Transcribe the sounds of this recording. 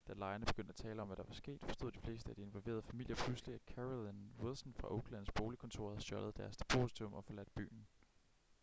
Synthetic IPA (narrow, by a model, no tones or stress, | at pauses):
d̥ælɑ̈ɪɐnəb̥e̝ɡ̥ønd̥æt͡sʰɛːləɒ̽mʋæɾ̥ɑ̈ʋɑ̈sɡ̥e̝̰ːd̥fɒ̽sd̥o̝ð̰̥ˠifle̝ːsd̥əæd̥ie̝nʋɒlʋe̝̰ːɐðˠəfæmil̰jɐpʰlusliækʰæʁlænwelˠsn̩fʁɑ̈ʔoʊɡ̥læn̩sb̥o̝ːlikʰɔ̽nt͡sʰo̝ɐ̰hæð̩ˠɕɒ̽ləð̞̩ˠd̥æɐst͡sʰe̥pʰo̝sit͡sʰɔmʔɒ̽fɒ̽læd̥b̥y̰ːn̩